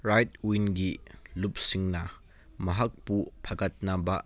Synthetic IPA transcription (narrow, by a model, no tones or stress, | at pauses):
ɾajtwijnɡilup̚siŋnɐ | mɐɦɐk̚pupʰɐɡɐt̚nɐbɐ